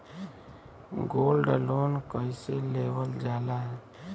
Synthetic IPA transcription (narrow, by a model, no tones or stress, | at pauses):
ɡolɖloːnkəiseleʋəld͡ʒaːlaɦɛ